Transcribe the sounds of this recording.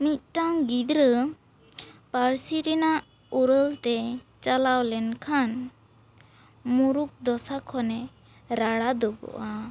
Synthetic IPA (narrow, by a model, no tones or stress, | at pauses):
mit̪̚ʈaŋɡid̪ɾə | paɾsiɾɛnaʔ | uɾəlt̪ɛt͡ʃalawlɛnkʰan | muɾuk̚d̪ɔsakʰɔnɛ | ɾaɽad̪ɔbɔ̰ʔa